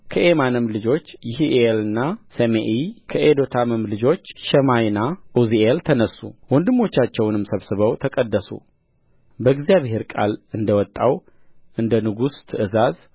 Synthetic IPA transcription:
kʰəʔemanɨmlɨd͡ʒo̞t͡ʃːjɪɦiʔelɨnːasəmeʔikʰəʔed̪o̞t̪ʰaməmlɨd͡ʒo̞t͡ʃːʃəmajnaʔuzielt̪ʰənəsːṵwɔnd̪ɨmːo̞t͡ʃːat͡ʃːɛwnɨmsəβsɨβəwt̪ʰəkʼəd̪ːəsṵ | bəɡzjaβhe̞ɾkʼa̰lɨnd̪əwɔt̪ʼːaw | ʔɨnd̪ənɨɡust̪ʰɨʔɨzaz

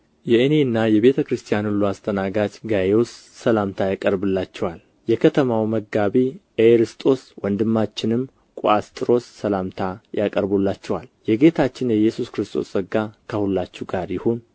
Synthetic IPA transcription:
jɛɨne̞nːajɛβe̞t̪ʰəkɾɨst̪ʰʼijanɨlːuast̪ʼʰənaɡat͡ʃɡajewsːəlamt̪ʰajakʼəɾbɨlːat͡ʃːɛwal | jɛkʰət̪ʰəmawməɡaβiʔeɾɨst̪ʼo̞swənd̪ɨmːat͡ʃːɪnɨm | kʼuast̪ʼɨɾo̞sːəlamt̪ʰajakʼəɾbulːat͡ʃːɛwaljɛɡe̞t̪ʰat͡ʃːɪnjɛjːɛsuskɾɨst̪ʰʼo̞̰səɡːakʰəhulːat͡ʃːuɡaɾjɪhun

